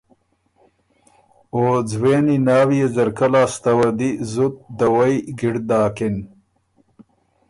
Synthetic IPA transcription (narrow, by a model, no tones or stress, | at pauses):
oːd͡zweːninaːwijezɐɾkalaːst̪ɐwɐd̪izʊt̪̚d̪ɐwɐjɡɪɽd̪aːkɪn